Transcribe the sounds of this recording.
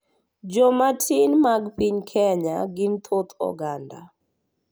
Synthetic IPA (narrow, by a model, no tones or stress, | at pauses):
d͡ʒɔmatʰinmaɡpiɲkʰɛɲa̰ɡɪmt̪ʰot̪ɔ̰ɡanda̰